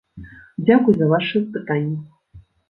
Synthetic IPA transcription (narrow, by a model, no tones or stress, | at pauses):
d͡zʲakujzɐvaʂɨspɨt̪anʲːi